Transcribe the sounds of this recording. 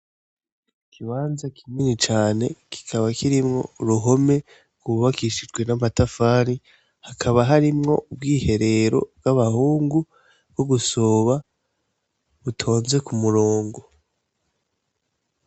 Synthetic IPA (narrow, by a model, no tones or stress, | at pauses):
kʰiβaːnzakʰiminit͡ʃaːne̞ki̥kʰaβakiɾimŋo̞̰uɾuɦo̞me | ɡuβakiʃid͡ʒɡwe̞namatafaːɾi | hakʰaβaɦaɾimŋo̞ub̚ɡiːhe̞ɾe̞ɾo̞̰bɡaβahuːŋɡu | bɡoɡusoβa | βutʰo̞ːnze̞kumuɾoːŋɡo̞